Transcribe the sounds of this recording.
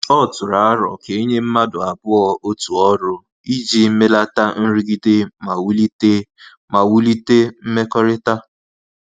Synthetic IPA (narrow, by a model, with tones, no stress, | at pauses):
ɔ˦˨tʊ˨ɾa˨a˦ɾɔ̰˨ke˨˦ɲe˦m̩˦ma˦dʊ˨a˨bʊ˦ɔ˦o˦tu˨ɔ˦ɾʊ˦ | i˦d͡ʒi˦me˦la˦ta˦n̩˦ɾi˦ɡi˦de˦ma˨wu˦li˦e˦ | ma˨wu˦li˦te˦m̩˦me˦kɔ˦ɾɪ˦ta˦